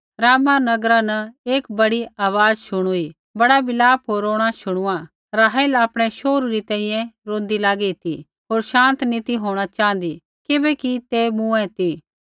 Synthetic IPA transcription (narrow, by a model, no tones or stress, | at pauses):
ɾaːmanɐɡɾanɐeːkbɐɽiaːʋaːzʃʊɽ̃ui | bɐɽabɪlaːpʰɦoːɾoːɽ̃aʃʊɽ̃ʊa | ɾaːɦɛlaːpɽ̃ɛʃoːɾuɾit̪ɛ̃ːĩjɛ̃ɾõːnd̪ilaːɡit̪i | ɦoːɾʃãːnt̪nit̪iɦoːɽ̃at͡ʃãːnd̪i | kɪbɛkit̪emũːɛ̃t̪i